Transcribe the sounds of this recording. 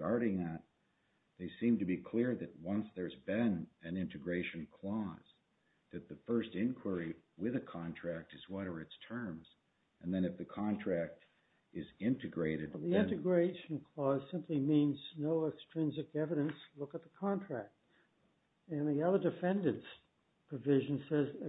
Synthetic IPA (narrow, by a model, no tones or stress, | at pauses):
ɑɹɾɪ̃ŋɨt̪̚ | ðeɪsĩmtɨbikʰl̥ɪɹðɨt̚wʌ̃nsðə˞zbɪ̃nɨ̃nɪ̃ntɨɡɹeɪʃɨ̃n̩kʰl̥ɔz̥ | ðɨt̪̚ðɨfɜ˞stɪ̃nkʰw̥ə˞iwɪðɨkʰɑ̃ntʰɹ̥æk̚tɨzwʌɾə˞ɨtstʰɜ̃˞mz̥ | ʔɨ̃nðɨ̃nɨfðɨkʰɑ̃ntʰɹ̥æk̚t | ɨzɪ̃ntɨɡɹeɪɾɨd̚ðiɪ̃tɨɡɹeɪʃn̩kʰl̥ɔz̥sɪ̃mpʰlimĩnznoʊɛkstɹ̥ɪ̃nzɨkɛvɨɾɨ̃nslʊkət̪̚ðəkʰɑ̃ntʰɹ̥æk̚t̚ | ɨ̃nðiʌðə˞dɨfɛ̃ndɨ̃ns | pʰɹ̥əvɪʒɨ̃n̩sɛz